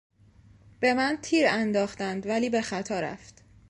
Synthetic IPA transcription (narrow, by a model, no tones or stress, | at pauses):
b̥e̞mænt̪ʰiːɾænd̪ɒːxt̪ænd̪væliːbe̞xæt̪ʰɒːɾæ̰ft̪